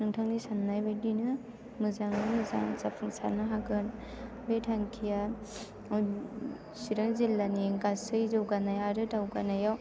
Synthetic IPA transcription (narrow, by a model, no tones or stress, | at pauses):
nɯŋtʰaŋdisanːajbadinɯ | mɯzaŋnɯmɯza̰ŋzapʰɯŋsa̰ɾnɯɦaɡɯn | betʰaŋkʰija | siɾɯŋzilːaniɡasɯjzɯwɡanajaɾɯtawɡanajaw